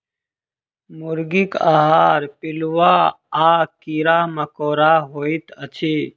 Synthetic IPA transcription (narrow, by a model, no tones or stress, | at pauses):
mʊɾɡika̰ːɦaːɾpɪlwaː | aːkiɾaːmɐkoːɾaːɦoːit̪ɐt͡ɕʰiː